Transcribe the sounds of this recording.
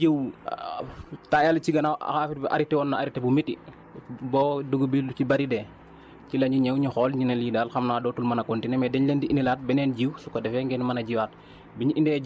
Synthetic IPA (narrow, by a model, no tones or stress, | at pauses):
ew | tajalt͡ʃiɡɐnaa̰xaːfit̚bɛʔa̰ɾitɛɔnːaaɾitebumiti | boːduɡubit͡ʃibaɾidɛ | cilɐɲɟiɲewɲixɔːlɲinelidalxɐmnaːdoːtulmɐnɐkontinemɛdɛɲlendiʔinilaːt̚bɛnɛːnɟiwsukadɛfɛŋɡɛnmɐnɐɟiwaːt̚ | biɲiʔindɛ